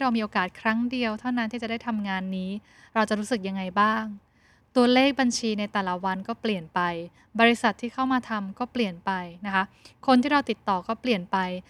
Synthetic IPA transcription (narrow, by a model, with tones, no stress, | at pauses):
ɾa˧wmiː˧ʔoː˧kaː˨˩t̪̚kʰɾa˦˥ŋdi˧əwt̪ʰa˥˩wna˦˥nt̪ʰiː˥˩t͡ɕa˨˩daː˥˩jt̪ʰa˧mŋaː˧nːiː˦˥ | ɾa˧wt͡ɕa˨˩ɾuː˦˥sɯ˨˩k̚ja˧ŋːa˧jbaː˥˩ŋ | t̪u˧ɐleː˥˩k̚ba˧nt͡ɕʰiː˧na˧jt̪ɛː˨˩la˨˦wa˧nkɔː˥˩pli˨˩ənpa˧j | bɔː˧ɾi˦˥sa˨˩t̪ʰːiː˥˩kʰa˥˩wmaː˧t̪ʰa˧mkɔː˥˩pli˨˩ənpa˧jna˦˥kʰa˦˥kʰo˧nt̪ʰiː˥ɾa˧wt̪i˨˩t̪ːɔː˨˩kɔː˥˩pli˨˩ənpa˧j